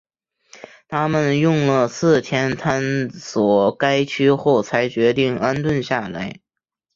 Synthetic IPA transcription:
t̪ʰa˥mə˨njʊ˥˧ŋlə˩sɹ̩˥˩t̪ʰjɛ˥nt̪ʰa˥nswɔ˨˩ka˥ɪt͡ɕʰy˥xo˥˩ʊt͡sʰa˧˥ɪt͡ɕɥɛ˧˥t̪i˥˩ŋa˥nt̪wə˥˧nɕja˥˩la˧˥ɪ

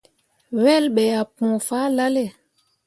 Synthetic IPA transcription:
wɛ˦˨lɓɛ˨a˨pũ˨faː˦la˦le˦˨

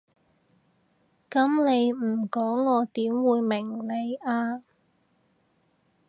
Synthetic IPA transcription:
kɐ˨˥mne˨˧jm̩˨˩kɔː˨˥ŋːɔː˨˧t̪iː˨˥mwuː˨˧jmɪ˨˩ŋne˨˧jaː˧

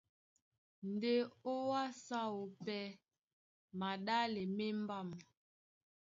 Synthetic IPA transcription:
n˨de˦o˦wa˦sa˦wo˨pɛ˦ | ma˨ɗa˦le˨me˦m˦ba˦˨m˨

